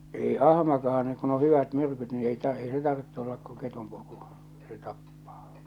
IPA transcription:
ei ɑhmɑkɑɑn kun o hyʋæt myrkyt niː ei tɑ ei se tɑrʋ̆ĭtːe olːɑk ku ketuŋ koku se̥ se̥ tɑpːɑː

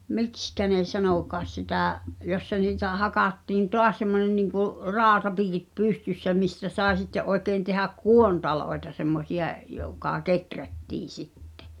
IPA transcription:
mikskæ ne sɑnoˑkɑːs sitæˑ josːɑ niːtæ hɑkɑtːiːn toɑs semːonen niŋkuʔ rɑːŏtɑpiːkit pystysːæ mistæ sɑˑe sitːe ʔoekeˑi̞n tehæk kuontɑloetɑ semːosiɑ jokɑˑ ketrætːiː sitːe̥

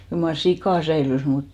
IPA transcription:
kyl mɑr sikɑˑ sæilys mut

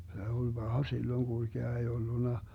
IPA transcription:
se olʲ b̥ɑhɑ silːoŋ ɡ̊ulɡ̊eɑ ei olːunɑ

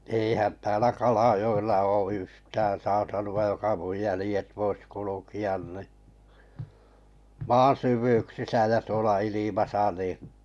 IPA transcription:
eˑihæn tæːlæ kɑlɑjoelːɑ oː yhtæː sɑː sɑnuɑj jokɑ muj jælĭjet ʋois kulukiɑn ni mɑːn syʋˑyːksisæ jɑ tuolɑ ilimɑsɑ niˑ

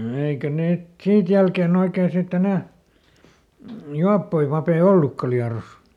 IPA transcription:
eikæ niːt siːt jælkeːn oikeːn sitː enæ juɑpːoi pɑpeː olːukːɑ liɑros

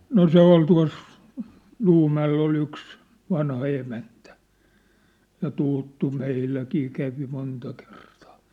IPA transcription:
no se ol tuɑ̝s l̥uːmæelː ol yks ʋɑnhɑ emæntæ̥ jɑ tuːtːu meilːækiː kæʋi montɑ kertɑ̥ː

